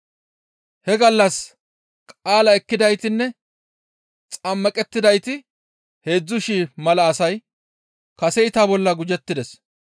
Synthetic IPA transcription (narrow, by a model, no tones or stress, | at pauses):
hɛɡɐlːɐs | kʼaːlɐɛkːɪd̪ɐjt̪ɪnːɛ | t͡sʼɐmːɐkʼɛt̪ːɪd̪ɐjt̪ɪ | he̞ːd͡zːʊʃiːmɐlɐːsɐj | kɐsɛɪt̪aːbɔlːɐɡʊd͡ʒɛt̪ːɪd̪ɛs